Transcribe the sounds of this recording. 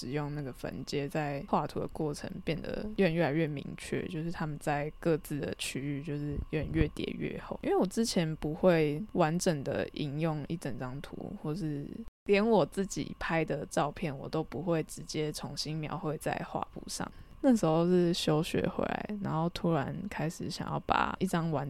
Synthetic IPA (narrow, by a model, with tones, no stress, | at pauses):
ʂɻ̩˨˩jʊ˥˧ŋna˥˩ɡə˩fə̰˧˥nt͡ɕjɛ˥t͡sa˥˧ɪxwa˥˩t̪ʰṵ˧˥d̪ə̰˨˦kwɔ˥˩ʈ͡ʂʰə̰˧˥ŋpjɛ˥˩nd̪ə̰˩ɛ˥˩˧nɥɛ˥˩la˧ɪɥɛ˥˩mḭ˧˥ŋt͡ɕʰɥɛ̰˥˩t͡ɕjo˥˧ʊʂ̬ɻ̩˥˩t̪ʰa˥mə˨nt͡sa˥˧ɪkɤ˥˧t͡sɹ̩˥˩d̪ə̰˩t͡ɕʰy˥y˥˧t͡ɕjo˥˧ʊʂɻ̩˥˧ɛ˥˩nɥɛ˥˩t̪jɛ̰˨˩ɥɛ̰˥˧xo˥˩ʊi˥nwe˥˩ɪwɔ˨˩t͡sɹ̩˥t͡ɕʰjɛ˧˦˥npu˧˥xwe˥˩ɪwa˧˦nʈ͡ʂə˨˩ŋd̪ə̰˩ʔi˧˥ŋjʊ˥˧ŋḭ˥˩ʈ͡ʂə˨˩nʈ͡ʂɑ˥ŋt̪ʰṵ˧˥xwɔ˥˩ʂɻ̩˥˩ljɛ˧˥nwɔ˨˩t͡sɹ̩˥˩t͡ɕḭ˨˩pʰa˥ɪd̪ə˨ʈ͡ʂɑ˥˧ʊpʰjɛ˥˩nwɔ̰˨˩t̪o˥ʊpu˧˦xwe˥˩ɪʈ͡ʂɻ̩˧˥t͡ɕjɛ˥t͡sʰʊ˧˥ŋɕi˥nmjɑ˧˥ʊxwe˥˧ɪt͡sa̰˥˧ɪxwa̰˥˧pṵ˥˧ʂɑ̰˥˩ŋna˥˩ʂ̬ɻ̩˧˥xo˧ʂɻ̩˥˩ɕjo˥ʊɕɥɛ̰˧˥xwḛ˧˥ɪa̰˧˦ɪna˧˥nxo˥˩ʊt̪ʰu˧˥ɻa˧˦nkʰa˥ɪʂɻ̩˨˩ɕjɑ̰˨˩ŋjɑ̰˥˩ʊpa̰˨˩i˥˩ʈ͡ʂɑ˥ŋwa˧˦n